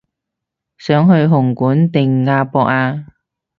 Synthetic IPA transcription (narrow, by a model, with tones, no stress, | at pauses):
sœː˨˥ŋɦɵ˧ɥɦʊ˨˩ŋkuː˨˥nt̪ɪ˨ŋːaː˧pɔː˧k̚aː˧